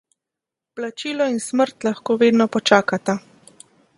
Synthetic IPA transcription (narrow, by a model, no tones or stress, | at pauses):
plat͡ʃiːlɔinsməɾt̪laxkoːʋeːd̪nɔpɔt͡ʃaːkat̪a